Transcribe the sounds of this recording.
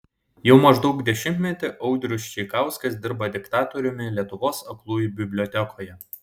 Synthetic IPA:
jɛʊmɐʒd̪ɒʊɡd̪ʲɛʃʲɪnʲt̪ʲmʲɛt̪ʲɪʔɐʊd̪ʲɾʲʊst͡ʃʲɛɪkɑˑʊskɐsd̪ʲɪɾbɐd̪ʲɪkt̪ɑːt̪oɾʲʊmʲɪlʲiɛt̪ʊʋoːsɐklˠuːjubʲɪbʲlʲoːt̪ʲɛkʰoːjɛ

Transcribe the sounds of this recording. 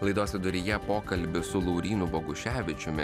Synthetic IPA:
lˠɐɪd̪oːsʲɪd̪ʊɾʲɪjɛpoːkɐlʲbʲɪsʊlˠɔʊɾʲiːnʊboɡʊʃʲæːʋʲɪt͡ʃʲʊmʲɪ

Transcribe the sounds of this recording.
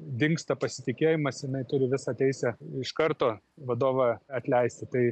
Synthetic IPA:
d̪ʲɪŋkst̪ɐpɐsʲɪt̪ʲɪkʲeːjɪmɐsjɪnɐɪt̪ʊɾʲɪʋʲɪsɑːt̪ʲɛɪsʲɛɪʃkɐrt̪oː | ʋɐd̪oːʋɑɐt̪ʲlʲɛɪsʲt̪ʲɪt̪ɐɪ

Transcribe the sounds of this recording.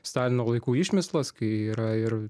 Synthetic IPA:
st̪ɑːlʲɪnoːlˠɐɪkuːɪʃʲmʲɪslˠɐskɐɪiːɾɐɪɾ

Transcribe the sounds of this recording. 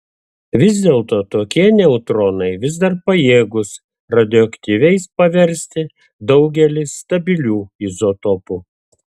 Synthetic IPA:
ʋʲɪzʲd̪ʲeːlˠt̪oːt̪oːkʲiɛnʲɛʊt̪ɾɔnɐɪʋʲɪzd̪ɐɾpɐjeːɡʊs | ɾɐd̪ʲɪɔɐkt̪ʲiːʋʲɛɪspɐʋʲɛɾʲsʲt̪ʲɪ | d̪ɒʊɡʲɛlʲɪsːt̪ɐbʲɪlʲuːizot̪ɔpuː

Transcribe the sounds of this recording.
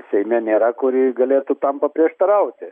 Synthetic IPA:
sʲɐjmʲenʲeːɾakoɾiɡɐlʲeːt̪ut̪ampɐpɾʲeɛʂt̪ɐɾawt̪ʲe

